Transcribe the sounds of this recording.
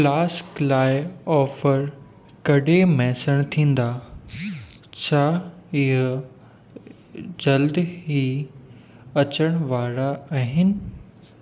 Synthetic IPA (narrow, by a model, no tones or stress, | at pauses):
laːsklaːɪɔːfəɾ | kɐɗemɛ̃ːsəɽ̃t̪ʰĩːn̆d̪aː | t͡ɕʰaːɪɦʊ | d͡ʑɐld̪ɦi | ɐt͡ɕəɽ̃ʋaːɾaaːɦɪnɪ̆